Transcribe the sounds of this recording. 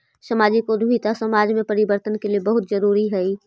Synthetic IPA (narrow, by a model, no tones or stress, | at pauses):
sɐmaːd͡ʒikod̪ʱit̪asɐmaːd͡ʒmẽpɐɾɪbəɾt̪ənkeliebɐɦʊt̪zɐɾuːɾiɦɛiː